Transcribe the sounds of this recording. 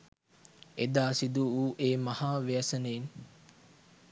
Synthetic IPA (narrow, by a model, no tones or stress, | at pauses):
ed̪aːsid̪uuʔeːmahaːʋejəsənein